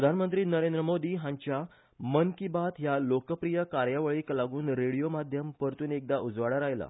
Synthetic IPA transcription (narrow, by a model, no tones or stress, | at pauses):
pɾəd̪ʱanmənt̪ɾiːnəɾend̪ɾəmod̪iːɦãɲt͡ɕja | mənkibat̪ɦjalokəpɾijəkaɾjaʋəɭiːklaɡuːnɾeɽijomad̪ʱjəmpəɾt̪uːnek̚d̪aʔud͡zʋaɽaɾajla̰